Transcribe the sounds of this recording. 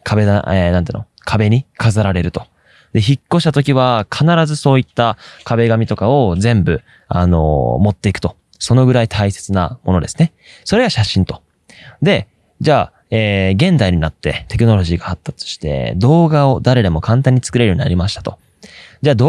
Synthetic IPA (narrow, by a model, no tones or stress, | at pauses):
kʰabe̞d̪a̰enãnḛːno | kʰabe̞ɲ̟ikazaɾaɾe̞ɾɯ̟t̪o̞̥ | d̪e̞çikːo̞ɕi̥t̪at̪o̞kʲiβakʰanaɾazɨso̞ːit̪ːakʰabe̞ɡamʲit̪o̞kao̞zẽ̞mbɯ̟ | a̰no̞̰mo̞t̪ːe̞ikɯ̥t̪o̞ | so̞no̞ɡɯ̟ɾait̪ʰaise̞t͡sɨna̰mʔo̞no̞d̪e̞sɨ̥ne̞ | so̞ɾe̞ɡaɕaɕĩnt̪o̞̥ | d̪e̞ | d͡ʑaː | eːɡẽ̞nd̪aiɲ̟inat̪ːe̞̰t̪e̞kɯ̟no̞ɾo̞ʑiːɡahat̪ːat͡sɨ̥ɕi̥t̪e̞̰d̪o̞ːɡao̞d̪aɾe̞d̪e̞mo̞kʰãnt̪̬ãɲ̟ːit͡sɨ̥kɯ̟ɾeɾɨjoɲ̟ina̰ɾʲimaɕi̥t̪ḁt̪o̞ | d͡ʑaːd̪